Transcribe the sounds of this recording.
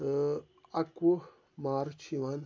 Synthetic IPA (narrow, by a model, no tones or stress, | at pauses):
ɐku | maːɾt͡ʃʰiʋan